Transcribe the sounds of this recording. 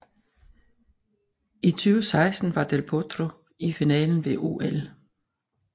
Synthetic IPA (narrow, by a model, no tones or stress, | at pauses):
it͡sʰyːʊsɑ̈ɪsd̥n̩ʋɑ̈d̥elpʰod̥ʁo | ifinɛ̰ːln̩ʋe̝ʔo̝̰ːʔel